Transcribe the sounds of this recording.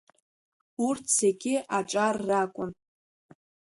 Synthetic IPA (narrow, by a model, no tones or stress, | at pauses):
urtʰseɡʲɪʔaʈ͡ʂʼarːakʷʼʊn